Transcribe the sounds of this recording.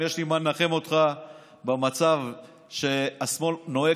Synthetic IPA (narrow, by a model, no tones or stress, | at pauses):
jeʃlimanːaχemo̞t̪χa | bemat͡sav | ʃe̞asmo̞lno̞e